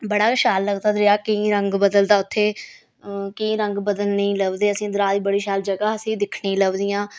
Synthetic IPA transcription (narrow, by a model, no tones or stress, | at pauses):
bəɽaːɪʃaːlːəɡd̪aːd̪ɾɪaːkəĩːɾəŋɡbəd̪əld̪aːʊt̪ʰːeː | kəĩːɾəŋɡbəd̪əlnəĩːləʋd̪eːəsĩːd̪əɾaːd̪iːbəɽiːʃaːld͡ʒəɡaːəsĩːd̪ɪkʰɳiiːləɡd̪ɪjãː